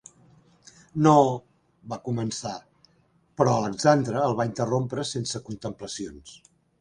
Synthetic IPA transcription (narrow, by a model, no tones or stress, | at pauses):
no | βakumənsa | pɾɔələɡzand̪ɾəːlˠβaint̪ərompɾəsensəkunt̪əmpləsions